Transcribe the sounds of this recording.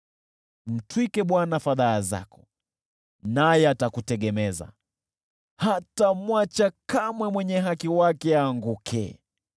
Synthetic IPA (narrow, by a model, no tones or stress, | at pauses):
m̩twikɛɓwanafaðaːza̰kɔ̥ | najɛatakutɛɠɛmɛza̰ | hatamwat͡ʃakamwɛmwɛɲɛɦakiwakɛaːŋɡukʰɛ̰